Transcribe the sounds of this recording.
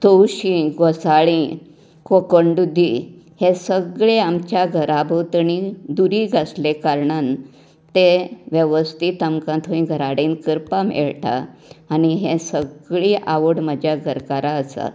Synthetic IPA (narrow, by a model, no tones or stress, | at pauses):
t̪owɕĩɡɔsaɭĩ | kokəɳɖud̪ʱːihẽsəɡɭeamt͡ɕjaɡʱəɾʔabʱot̪əɳid̪uɾiɡʱaslekaɾɳan | t̪eʋjeʋəst̪it̪əmkãt̪ʰoĩɡʱəɾaɽenkəɾpamḛɭʈ̪a̰ːniɦẽsəɡɭiʔaʋəɽməd͡ʑʱjaɡʱəɾkaɾaəsa̰